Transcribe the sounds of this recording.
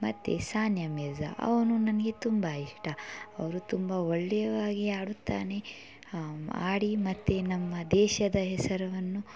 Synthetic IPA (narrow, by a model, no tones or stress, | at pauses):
mɐt̪ːḛsaːnjɐmɛzɐ̰ʔɐ̰ʋɐnunɐnɐɡe̞t̪umbɐiʂʈɐɐʋɐɾut̪umbɐoɭːɛjɐʋaːɡiaːɽut̪ːa̰ːne̞ | a̰ːɽimɐt̪ːenɐmːɐd̪ɛːʃɐd̪ɐɦɛsɐɾɐʋɐnːu